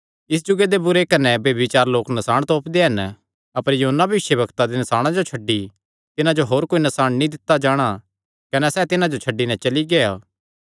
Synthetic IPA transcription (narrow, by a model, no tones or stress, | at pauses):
ɪs̬d͡ʒʊɡed̪ebʊɾekɐnɛbjɐbɪt͡ʃaːɾloːknɐsaːɽ̃t̪ɔːpd̪eɦɐn | ɐpəɾjɐɦənːabʱɐʋɪʃjəbɐkt̪ad̪enɐsaːɽ̃ãd͡ʒot͡ʃʰɐɖːi | t̪ɪnãd͡ʒoɦoːɾkoːinɐsaːɽ̃nĩd̪ɪt̪ːad͡ʒaːɽ̃a | kɐnɛsɛːt̪ɪnãd͡ʒot͡ʃʰɐɖːinɛ̃t͡ʃɐliɡeːa